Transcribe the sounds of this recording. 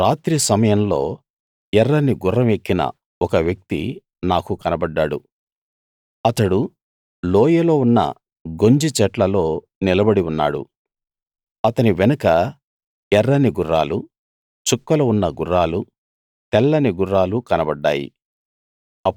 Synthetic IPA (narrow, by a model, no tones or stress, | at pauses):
ɾaːt̪ɾisɐmɐjɐmlo̞̰ː | ɛrːɐniɡurːɐmekːinɐ̰ | ɔkɐʋjɐk̚t̪ḭ | naːkukɐnɐbɐɖːaːɽṵ | ɐt̪ɐɽu | loːjɐlo̞ːunːɐ̰ | ɡo̞ɲd͡ʒit͡ʃɛʈlɐlo̞ː | nilɐbɐɽiunːa̰ːɽṵ | ɐt̪ɐniʋɛnɐkɐ | ɛrːɐniɡuɾːaːlu | t͡ʃukːɐlɐunːɐɡuɾːaːlu | t̪ɛlːɐniɡuɾːaːlukɐnɐbɐɖːa̰ːjḭ | ɐ